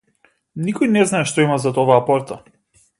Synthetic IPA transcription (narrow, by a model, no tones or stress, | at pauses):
nikɔjnɛznaɛʃt̪ɔimazat̪ɔvaːpɔɾt̪a